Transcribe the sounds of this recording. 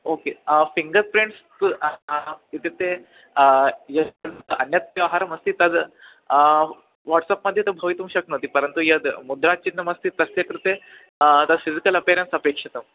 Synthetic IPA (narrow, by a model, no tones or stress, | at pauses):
okefiŋɡəɾpɾeɳʈst | it̪et̪e | jəd̪ənjɐt̪ʋjɐʋɦaɾəməst̪iːt̪əd̪ | ʋɔʈsapməd̪ʱːjet̪obʱəʋit̪umɕɐknɐʋt̪ipəɾənt̪ujəd̪mud̪ɾat͡ɕinːəmɐst̪iːt̪ɐsjɐkɾit̪e | t̪ad̪fizikələpiɾensəpekʂit̪əm